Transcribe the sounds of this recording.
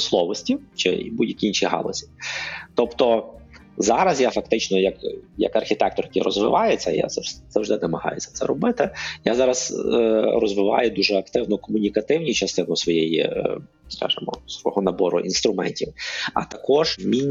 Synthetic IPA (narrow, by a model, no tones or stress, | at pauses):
slˠɔʋɔsʲtʲit͡ʃɪ̰budʲjɐkʲiinʲʃʲiɦɑ̰lˠɔsʲi̥t̪ɔpt̪ɔ | zɑɾɐzjafɐk̚t̪ɪt͡ʃnɔjɐkjɐ̰kɐrxʲit̪ɛkt̪ɔrkʲiɾɔ̰zʋɪ̰ʋɑjʊt͡sʲːɐja̰zɐzɐwʒd̪ɪnɛmɐɦɑ̰jʊt͡sʲːɐ̥t̪sɛ̰ɾɔbɪt̪ɪjazɑɾɐz | rɔ̰zʋɪʋɑ̰jʊd̪uʒɛɐkt̪ɪwnɔkɔmʊnʲikɐt̪ɪwnʲit͡ʃɐst̪ɪnʊsʋɔjɛjḭ | skɑ̰ʒɪmɔ̰sʋɔ̰ɦɔnɐbɔɾʊ̰ʔinst̪ɾʊmɛ̰nʲtʲiwɐ̰t̪ɐkɔʒmʲinʲ